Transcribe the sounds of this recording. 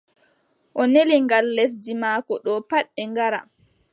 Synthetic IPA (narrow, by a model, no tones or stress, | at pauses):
ʔɔneliŋɡalːes̬dimaːkɔɗɔpaɗːɛŋɡaɾa̰